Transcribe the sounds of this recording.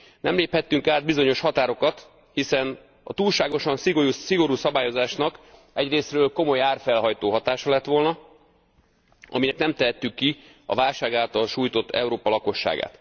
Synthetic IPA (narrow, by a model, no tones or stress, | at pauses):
nɛmleːphɛt̪ːyŋkaːd̪̚bizo̞ɲo̞ʃhɒt̪aːɾo̞kɒt̪ | hisɛn | ɒ̰t̪uːlʃaːɡo̞ʃɒnsiɡousiɡo̞ɾuːsɒbaːjo̞zaːʃnɒk | ɛɟreːsrøːlko̞mo̞jaːrfɛlɦɒjt̪oːɦɒt̪aːʃɒlɛt̪ːʋo̞lnɒ | ɒ̰minɛknɛmt̪ɛɦɛt̪ːykːi | ɒ̰vaːlʃaːɡaːlt̪ɒlʃuːjt̪o̞t̪ːɛ̰uɾoːpɒlɒko̞ʃːa̰ːɡa̰ːt̪